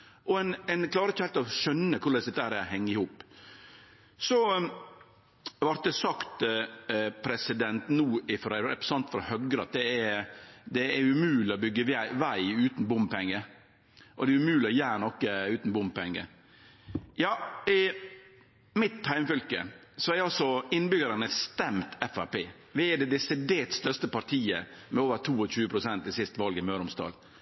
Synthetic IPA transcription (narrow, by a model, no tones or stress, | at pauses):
ʔɔɛnɛnkʰlɑːɾəɪçəhælt̪ɔʃœnːəkʰʊɾɭɛsd̪ɛt̪ːəæːɾæhɛŋːɪhuːp | sɔ | ʋɑɾt̪̚d̪ɛsɑkt̪ | pʰɾɛsɪd̪ɛnt̪nuːɪfɔɾɾɛ̰pɾə̥sɑnt̪fɔɾɔhœɡɾəɑt̪̚d̪ɛɛd̪ɛɛʉmʉːlɪɔbʏɡːəʋæɪʉːt̪n̩bʊmpɛŋːə | ʔɔd̪ɛʉmʉːlɪɔjæːɾnɔkːəʉːt̪n̩bʊmpɛŋːə̰ | jɑːɪ | mɪt̪hæɪmfʏlkə̰ | sɔɛɾɑlsɔɪnːbʏɡəɾənəst̪ɛmt̪ɛfæpeː | ʋɪɛd̪ɛd̪ɛsɪd̪eːt̪st̪œɾst̪əpɑɾʈʰiːəmɛoːʋəɾt̪ʰuːɔc͡çʉːəpʰɾʊsɛnt̪ɪsɪst̪ʋɑlɡɪmœːɾʊmst̪ɑ̰ːl